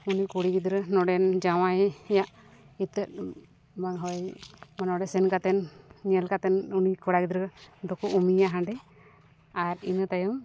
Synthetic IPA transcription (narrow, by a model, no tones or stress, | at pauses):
unikuɽikid̪ɾənɔɖɛnd͡ʒawajɛjaʔ | it̪ət̚ | baŋɦɔjmanɔɖɛsɛnkat̪ɛnːiɛlkat̪ɛnunikɔɽakid̪ɾd̪ɔkuʔumijaɦaɳɖɛ | aɾḭnət̪ajɔm